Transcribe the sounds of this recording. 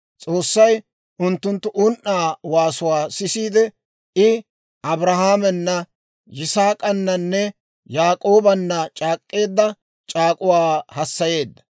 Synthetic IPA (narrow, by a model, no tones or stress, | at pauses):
t͡sʼo̞ːsːɐj | ʔʊnt̪ːʊnt̪ːʊʔʊnʔːaːwaːsʊwaːsɪsiːd̪ɛ | ɪ | ʔɐbɾɐhaːmɛnːɐ | jɪsaːkʼɐnːɐnːɛ | jaːkʼo̞ːbɐnːɐt͡ʃʼaːkʼːe̞ːd̪ːɐ | t͡ʃʼaːkʼʊwaːhɐsːɐje̞ːd̪ːɐ̥